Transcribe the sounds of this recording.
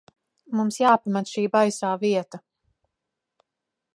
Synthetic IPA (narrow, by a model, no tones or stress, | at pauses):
mumsjaːpamɛt̪ʃiːbajsaːviɛt̪a